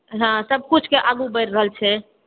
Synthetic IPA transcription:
ɦãsəb̚kut͡ʃʰkeʔaɡubəɾːəɦəlt͡ʃʰɛ

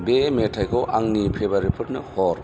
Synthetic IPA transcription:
bemetʰajkʰɔwʔaŋnipʰebaɾipʰɯtnɯhʰɔɾ

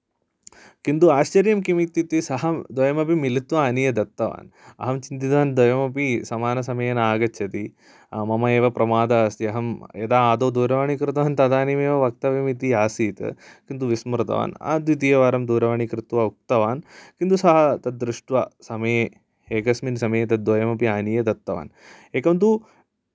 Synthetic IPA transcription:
kint̪uaːʃt͡ʃɐɾjɐmk̬imit̪ːit̪isɐɦɐd̪ʋɐjɐmɐpimilit̪ʋɐɐnijɐd̪ɐt̪ːɐʋa̰ːnɐ̰ɦɐmt͡ʃint̪it̪ʋaːnd̪ʋɐjɐmɐpisɐmaːnɐs̬ɐmɐjɐnaːɡɐɐt̪i | mɐmɐeːʋɐpɾɐmaːd̪aːst̪iɐɦɐmed̪aːaːd̪oːd̪uːɾɐʋaɳikɾɪt̪ɐʋaːnt̪ɐd̪aːnimeːʋɐʋɐk̚t̪ɐʋeːmit̪iaːsiːt̪ɨ̰kint̪uʋismɾt̪ɐ̰ʋa̰ːna̰ːd̪ʋit̪̬ijɐʋaːɾɐmd̪uːɾɐʋaɳikɾɪt̪ʋɐuk̚t̪ɐʋaːnkint̪usɐɦɐt̪ɐːɾuʂʈʋɐsɐmɐje | eːkɐsminsɐmɐjet̪̬ɐd̪ʋɐjɐmɐpiaːnijɐd̪ɐt̪ːɐʋa̰ːn | eːkɐnt̪̬u

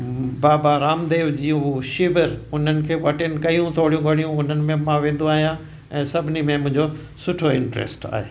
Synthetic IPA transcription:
baːbaɾaːmd̪eːʋd͡ʑiːũɦuʃɪbəɾʊn̤ənɪ̆kʰeːʋɐʈɪnɪ̆kɐjũt̪ʰoːɽijũɡʱɐɽijũʊn̤ənɪ̆mẽmãʋẽːnd̪ũaːɦijã | ɛ̃ːsɐbʱɪnimẽmʊ̃ɦɪ̃ɲd͡ʑo | sʊʈʰoɪ̃ɳʈɾḛːsʈa̰ːɦeː

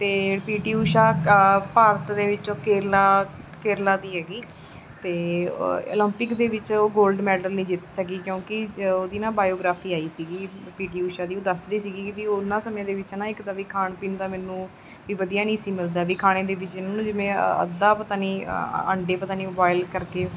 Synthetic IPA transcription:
t̪eːpiːʈiːuːʃaːpaːɾət̪d̪eːʋɪt͡ʃoːkeːɾlaːkeːɾlaːd̪iːɦɛːɡiː | t̪eːo̰ːlə̃mpɪkd̪eːʋɪt͡ʃoːɡoːlɖmɛːɖəlnĩːd͡ʒɪt̪səkiːkjõːkɪoːd̪iːnãːbaːjoːɡɾaːpʰiːaːiːsiːɡiːpiːʈiːuːʃaːd̪iːoːd̪əsɾiːsiːɡiːkɪʋiːonãːsəmẽːd̪eːʋɪt͡ʃnãːɪkd̪aːʋiːkʰaːɳpiːnt̪aːmɛːnũː | ʋiːʋəd̪ijaːnĩːsiːmɪld̪aːʋiːkʰaːɽ̃eːd̪eːʋɪt͡ʃɪnaːnũːd͡ʒɪʋẽə̰d̪aːpət̪aːniːə̰ɳɖeːpət̪aːniːmoːbaːɪlkəɾkeː

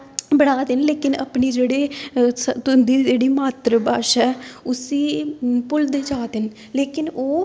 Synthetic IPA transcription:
bəɽaːd̪ɪnleːkɪnə̰pɳiːd͡ʒeːɽeːsət̪ʊnd̪iːd͡ʒeːɽiːmaːt̪ɾəbaːʃɛːʊsiːpʊld̪eːd͡ʒaːd̪ɪn | leːkɪnoː

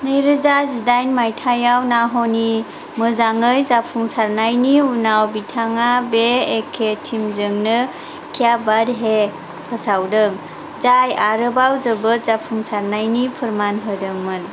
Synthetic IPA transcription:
nɯjɾɯzazidajnmajtʰajawnaɦɔni | mɯzaŋɯjzapʰuŋsaɾnajniunawbitʰaŋabeːkʰetʰimzɯŋnɯ | kʰijabadɦe | pʰəsawdɯŋ | zajaɾɯbawzəbət̚zapʰuŋsaɾnajnipʰɯɾmanɦɯdɯŋmɯn

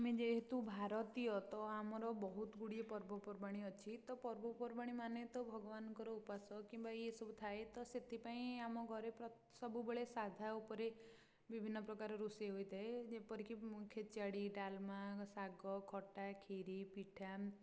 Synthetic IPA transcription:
amẽd͡ʒeɦet̪ubʱaɾɔt̪ijɔt̪ɔamɔɾɔbɔɦut̪ɡuɽiepɔɾbɔpɔɾbaɽ̃iɔt͡ʃʰit̪ɔpɔɾbɔpɔɾbaɽ̃imanet̪ɔbʱɔɡɔbanɔkɔɾɔupasɔkimbaesɔbʱut̪ʰaet̪ɔset̪ʰipaĩamɔɡʱɔɾepɔ | sɔbubeɭesad̪ʱaupɔɾe | bibʱinːɔpɾɔkaɾɔɾuseɦojd̪aed͡ʒepɔɾikikʰet͡ʃaɽiɖalmasaɡɔkʰɔʈakʰeɾipiʈʰa

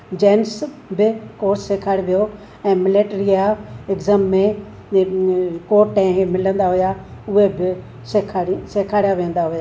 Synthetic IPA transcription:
d͡ʑeːns | bɪkoːɾsːekʰaːɽʋijo | ɛ̃ːmɪleʈɾijaɪɡzəmːẽ | koːʈɛ̃ːɦmɪlə̃nd̪aɦʊjaʊɦebɪ | sekʰaseːkʰaːɽijaʋẽːn̆d̪aɦʊjaː

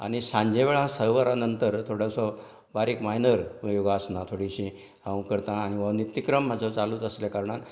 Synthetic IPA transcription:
a̰ɽ̃isãɲd͡ʑeʋeɭãsəʋəɾanənt̪əɾt̪ʰoɽəsɔ | baɾikmaɦinəɾjoɡaːsnãt̪ʰoɽiɕĩ | ãwkəɾt̪ãːñiʋənit̪ːikɾəmːad͡zʱat͡saluːt͡səsljakaɾɳat̪

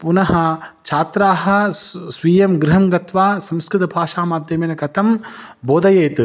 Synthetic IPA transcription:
punɐɦɐ̆t͡ʃʰaːt̪ɾaːɦɐ̆sʋiːjɐmɡɾɪɦɐmɡɐt̪ʋaːsɐmskɾɪt̪ɐbʱaːʃaːmaːp̚t̪eːmeːnɐkɐt̪ʰɐm | boːd̪ɐjeːt̪ɨ

